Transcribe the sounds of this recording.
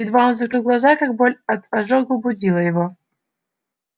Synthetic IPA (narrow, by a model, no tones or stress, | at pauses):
ɪd̪vamzɐkɨlɡlˠɐzakak̚bolʲɐt̪ɐʐɔɡbʊdʲilˠəjɪvɔ